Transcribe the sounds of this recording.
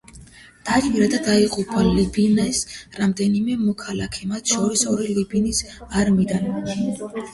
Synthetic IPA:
d̪̥at͡ʃʼviɾad̪ad̪aiqʼupʰalibinɛsɾamd̪ɛnimɛmɔkʰalakʰɛmat̪ʰʃɔɾisɔɾilibinisaɾmid̪an

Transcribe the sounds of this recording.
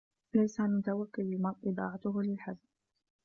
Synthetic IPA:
lajsaʕanmʊt̪awakːʊlmaʔɨd̪ˤɑ̰ːʕat̪ʊɦʊlɪlħazb

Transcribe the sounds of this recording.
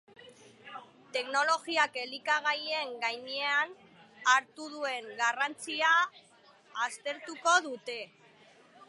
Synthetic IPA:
t̪e̞kno̞lo̞ɣiake̞likaɣaje̞ŋɡajɲean | aɾt̪uð̞ue̞ŋɡarant͡siaː | st̪e̞ɾt̪uko̞ðut̪e̞

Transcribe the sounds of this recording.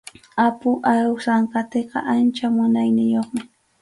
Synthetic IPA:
apʊʔaɾʊsaɴkat̪eqɑ̰ʔant͡ʃamʊnajnɪjoχmɪ

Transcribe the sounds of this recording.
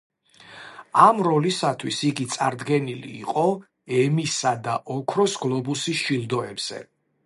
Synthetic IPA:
amɾɔlisat̪ʰwisiɡit̪sʼa̰ɾd̪ɡɛnilḭːqʼɔ | ɛmisad̪aʔɔkʰɾɔsɡlˠɔbusisʃilˠd̪ɔɛbz̥ɛ̰

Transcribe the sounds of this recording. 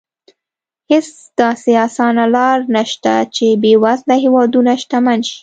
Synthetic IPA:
hes | d̪̥ɑseɑsɑnalɑɾnaʃt̪a̰t͡ʃebewazlaɦewɑd̪unaʃt̪amanʃi̥

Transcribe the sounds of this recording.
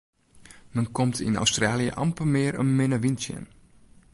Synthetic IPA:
mənkɔmtʰḭna̰wstraːlijə̰ʔɑ̰mpəmɪːəɾə̰nmɪnəʋinsjə̰n

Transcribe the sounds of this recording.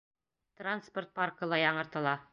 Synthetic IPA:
t̪ransport̪̚pɑrkɤ̆lˠɑjɑɴɤ̆ɾt̪ɤ̆lˠɑ

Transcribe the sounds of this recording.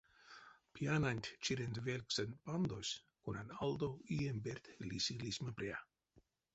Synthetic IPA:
piananʲt̪ʲt͡ʃiɾend̪velksənt̪band̪osʲ | kunanald̪oiembeɾt̪lisilismapɾea̰

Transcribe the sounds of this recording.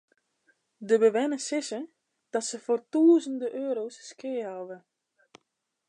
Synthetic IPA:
dəbəʋɛnəsɪsə | d̥ɔtsəfortuːəzəndəʔøːɾosːkɪːavə

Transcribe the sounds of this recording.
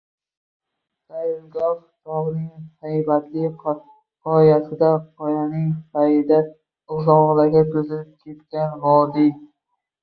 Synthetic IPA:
sajɪlɡɒɾ | t̪ʰɒʁnɪŋsajbat̪ʰlɪ | qɒjasɪd̪aqʰɒjanɪŋfajɪd̪a | ʊzɒʁlaɡʲat̪ʰʊzɪlɪp̚kʲʰe̞t̪kʲanvɒd̪ɪ

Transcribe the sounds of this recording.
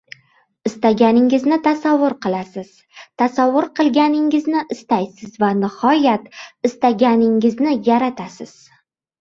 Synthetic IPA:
ɪst̪aɡʲanɪŋɪznɪt̪ʰasavːʊɾqɨlˠasɪz̥ | t̪ʰasavːʊɾqɨlˠɡʲanɪŋɪznɪʔɪst̪ajsɪzvanɪhɒjat̪ɪst̪aɡʲanɪŋɪznɪjaɾat̪ʰasɪz̥

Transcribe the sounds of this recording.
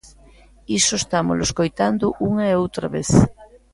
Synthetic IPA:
isoest̪amʊ̰lo̰skojt̪and̪ʊʔuŋɐeowt̪ɾaβeθ

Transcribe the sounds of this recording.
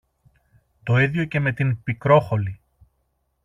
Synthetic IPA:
t̪o̞iðjo̞ce̞me̞t̪inpikɾo̞xo̞li

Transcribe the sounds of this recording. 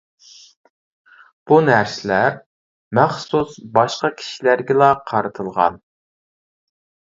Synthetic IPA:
b̥unæɾsɪlæɾ | mæχsusbɑʃqɑkʲʰi̥ʃilæɾɡʲɛlɑqʰɑɾɨt̪ʰɨlˠʁɑ̰n

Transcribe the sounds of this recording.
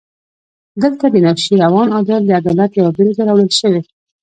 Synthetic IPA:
d̪əlt̪ad̪ənafʃiɾawɑnɑd̪ɑɾləad̪ɑlat̪jawabəɾt̪aɾɑwɽəlʃəwe

